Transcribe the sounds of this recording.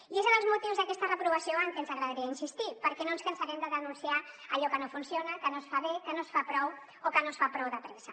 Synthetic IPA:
iezeðelzmot̪iwzðakɛst̪ɐrepɾuβasjoaŋkensaɣɾaðaɾiainsist̪ipəɾkenõnskɐnsaɣemd̪əðənũnsjaɾaʎɔkanõfunsjonakanosfaβekənosfapɾɔw | okanosfapɾɔwðɐpɾesa

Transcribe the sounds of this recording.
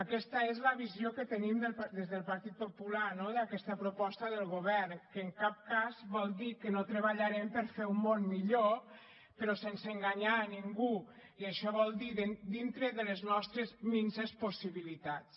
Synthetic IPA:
əkɛst̪əezləβizjokət̪ənimd̪əlpd̪ezðəlˠpaɾt̪it̪̚populanoðəkɛst̪əpɾupɔst̪əðəlˠɣoβɛrnkəːŋkap̚kazβɔlˠd̪ikənot̪ɾəβaʎaɾɛmpəɾfeumːonmiʎo | pəɾɔsensəŋɡaɲaniŋɡu | iəʃɔβɔlˠd̪iðd̪int̪ɾəðələznɔst̪ɾəzminsesposiβilit̪at͡s

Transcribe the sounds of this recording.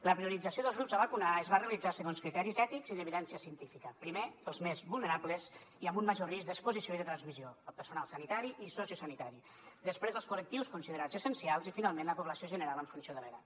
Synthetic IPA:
ləpɾiuɾid͡zəsioðəlzɣɾupzəβəkunaəzβarealid͡zasəɣonskɾit̪ɛɾizɛt̪ikz̥iðəβiðɛnsiəsiənt̪ifikəpɾimeəlˠzmezβulˠnəɾaβləziəmbumməʒorizd̪əkspuzisioiðət̪ɾənzmizioəpəɾsunalˠsənit̪aɾiʔisosiusanit̪aɾi | d̪əspɾezəlˠskulək̚t̪iwskunsiðəɾad͡zəsənsialˠzifinalˠmẽnləpuβləsioʒənəɾaləɱfunsjoðələɣa̰t̪

